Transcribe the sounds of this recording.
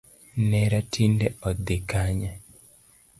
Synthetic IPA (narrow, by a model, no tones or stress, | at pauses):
nɛɾatʰindɛɔd̪ekaɲa